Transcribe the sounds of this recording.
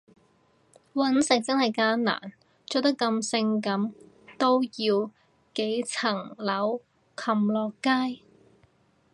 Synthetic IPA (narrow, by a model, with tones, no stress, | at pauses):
wɐ˨˥nsɪ˨k̚t͡sɐ˥nhɐ˨jkaː˥nna̰ː˨˩n | t͡so˥˧˥t̪ɐ˥kːɐ˧msɪ˧ŋkɐ˨˥m | t̪o˥wjiː˧w | ke˨˥jt͡sʰɐ˨˩ŋlɐ˨˥w | kʰɐ˨mlɔː˨˩kːaː˥j